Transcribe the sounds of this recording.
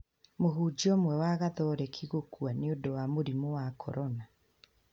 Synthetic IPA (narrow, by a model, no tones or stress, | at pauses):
moɦud͡ʒiɔmwɛwaɣaðɔɾɛkʰiɣokwaneondowamoɾimowakʰɔ̰ɾɔna